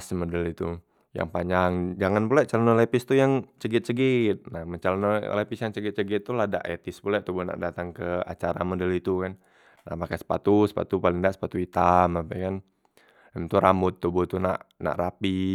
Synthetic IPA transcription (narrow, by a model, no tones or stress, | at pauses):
smədəlit̪u | ja̰ŋpaɲaŋd͡ʒaŋanpulaʔt͡ʃalanolepɪst̪ujaŋt͡ʃəɡɪt̪̚t͡ʃəɡit̪̚nahmət͡ʃalano̰lepɪsjaŋt͡ʃəɡɪt̪̚t͡ʃəɡɪt̪ːulada̰ʔḛt̪ɪspulɛʔt̪ubuna̰ʔdat̪aŋkəa̰t͡ʃaɾa̰modəlit̪ukan | na̰hmakasə̥pa̰t̪usə̥pa̰t̪upalɪŋdaʔsə̥pat̪uit̪amapɛkan | amt̪uɾamʊt̪ːubuht̪una̰ʔna̰ʔɾapi